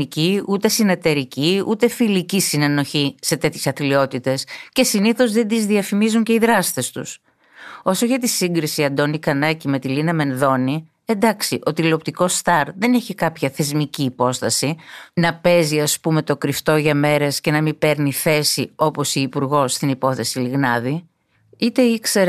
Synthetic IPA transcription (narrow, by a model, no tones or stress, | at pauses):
iciut̪e̞sinɐt̪eɾiciut̪e̞filicisine̞no̞çise̞t̪e̞t̪çe̞sɐθlio̞t̪it̪e̞sce̞siniθo̞zðe̞nd̪izðiɐfimizuɲce̞iðɾɐst̪e̞st̪ṵs | o̞so̞ʝɐt̪isiŋɡɾisiɐnd̪o̞nikɐnɐcime̞t̪ilinɐme̞nðo̞ni | e̞nd̪ɐksiʔot̪ilo̞p̚t̪iko̞st̪ɐɾðe̞ne̞çikɐpçɐθe̞zmiciːpo̞st̪ɐsinɐpe̞ziɐspume̞t̪o̞kɾift̪o̞ʝɐme̞ɾe̞sce̞nɐmipe̞ɾniθe̞sio̞po̞siipuɾɣo̞st̪inipo̞θe̞siliɣnɐði | it̪e̞ikseɾ